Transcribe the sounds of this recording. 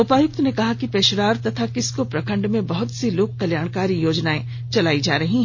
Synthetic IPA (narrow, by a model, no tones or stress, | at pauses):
ʊpaːjʊk̚t̪nekɐɦakipeːʃɾaːɾt̪ɐt̪ʰakɪskopɾɐkʰə̃ɳɖmẽbɐɦʊt̪siloːɡ̚kːɐljaːɽ̃kaːɾijoːd͡ʒnaẽ | t͡ʃɐlaːid͡ʒa̰ːɾɐɦĩɦ